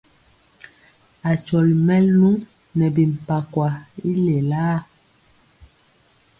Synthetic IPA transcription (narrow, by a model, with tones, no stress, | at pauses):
a˨t͡ʃɔ˨lmɛ˦llu˦ŋ | nɛ˨bi˨m̩˨pa˨kwa˨i˦le˨laː˦˨